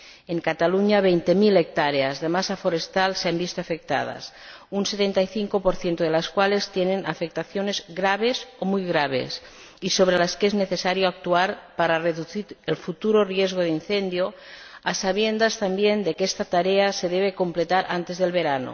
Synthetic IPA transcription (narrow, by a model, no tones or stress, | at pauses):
eŋkat̪aluɲaβejnt̪emilek̚t̪aɾeazðemasafoɾest̪alseambist̪oafek̚t̪a̰ð̞a̰s | unset̪ent̪ajθiŋkopoɾθje̞nt̪oð̞elaskwale̞st̪jenenʔafek̚t̪aθjone̞zɣɾaβ̞e̞somujɣɾaβ̞ḛs | iso̞β̞ɾelaskezneθesaɾjoak̚t̪uaɾpaɾareðuθiɾelfut̪uɾorjezɣ̞oðinθend̪joasaβ̞je̞nd̪ast̪ambjend̪e̞kest̪at̪aɾeaseðeβ̞eko̞mplet̪aɾʔant̪e̞zðelβeɾano̰